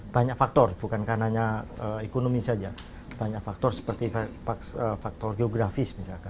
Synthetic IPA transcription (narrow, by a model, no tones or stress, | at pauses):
b̥aɲaʔfak̚t̪ɔrbukankahnaɲaəekonomisad͡ʒa | b̥aɲaʔfak̚t̪ɔrsə̥pərt̪iffaəfak̚t̪ɔrɡeoɡɾafɪsmisalka